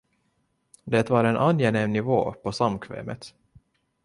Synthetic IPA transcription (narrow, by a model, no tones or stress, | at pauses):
d̪ɛt̪vaɾɛnʔanːjeneːmnɪvo̰ːpʰɔsamkʰvɛ̰ːmə̰t̪